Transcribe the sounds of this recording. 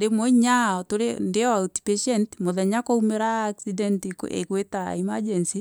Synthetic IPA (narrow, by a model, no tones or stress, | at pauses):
demoiɲaɔtoɾendeauti̥peʃɛntmoðɛɲakoumeɾaːksidɛntkḛkweta̰imad͡ʒɛnsi